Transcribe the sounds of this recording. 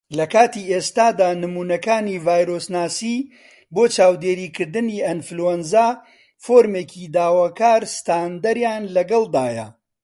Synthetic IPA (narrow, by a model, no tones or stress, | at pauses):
lɐkaːt̪ieːst̪aːd̪aːnɨmuːnɐkaːniːvaːjɾoːsnaːsi | boːt͡ʃaːwd̪eːɾiːkʰɨɾd̪ɨniːʔɐnfluɛnzaː | foːɾmeːkʰid̪aːwaːkaːɾst̪aːnd̪ɐɾjaːnlɐɡɐlˠd̪aːjɐ̰